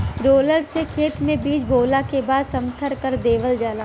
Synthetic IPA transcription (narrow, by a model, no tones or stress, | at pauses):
ɾoːləɽsekʰeːt̪mẽbiːd͡ʒbʱoːlakebaːd̪sɐmt̪ʰəɾkəɾd̪eːʋəld͡ʒaːlaː